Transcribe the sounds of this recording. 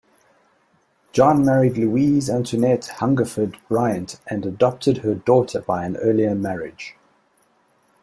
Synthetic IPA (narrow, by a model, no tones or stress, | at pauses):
d̥ʒ̥ɒ̃nmæɹidˡluiːzæ̃ntʰənɛthʌ̃ŋɡəfədbɹaɪə̃ntʔə̃nədɒp̚tʰɪdhədɔˑtʰəbaɪə̃nɜːliəmæɹɪd̥ʒ̥